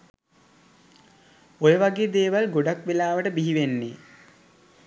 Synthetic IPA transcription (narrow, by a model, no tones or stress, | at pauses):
ojəʋaɡeːd̪eːʋalɡoɖakʋelaːʋəʈəbiɦiʋenːḛ